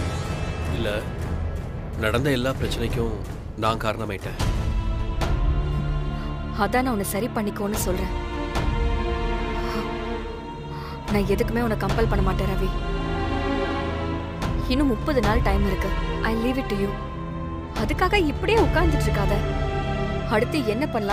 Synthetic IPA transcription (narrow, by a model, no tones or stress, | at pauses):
ɪlːɐ | nɐɽɐnd̪ɐɛlːaːpɪɾɐt͡ʃːɐnɛkːʊ̃ | naːŋkaːɾɐɳɐmaːɪʈːẽː | ɐðãːnãːʊnːɐsɐɾipɐɳːɪkːõːnːɯsɔlɾẽː | nãːɛðɯkːɯmeːɔnɐkːɐmpɛlpɐɳːɐmaːʈːẽːɾɐːʋi | ɪnːɯmʊpːɐðɯnaːlʈɐɪmɪɾɯkːɯʔɐɪliːʋɪʈːujuː | ɐðɯkːaːɣɐɪpːɐɽɪjeːʊkːaːɾnd̪ɪʈːɾɯkːaːðɐ | ɐɽɯt̪ːɯɛnːɐpɐɳːɐlãː